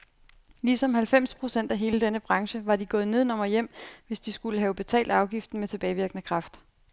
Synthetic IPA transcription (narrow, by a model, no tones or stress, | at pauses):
lisɒ̽mhælfem̰spʰʁo̝sen̰d̥æɦe̝ːləd̥enəb̥ʁɑ̈ŋɕəʋɑ̈diɡ̥ɔ̽ːð̩ˠne̝ð̞ˠnɒ̽mɐjem̰ʋe̝sd̥isɡ̥uləɦɛːʊb̥e̝t͡sʰɛ̰ːld̥ɑ̈ʊɡ̥ifd̥̩met͡sʰe̝b̥ɛːɪʋiɐɡ̥ənəkʰʁɑ̈fd̥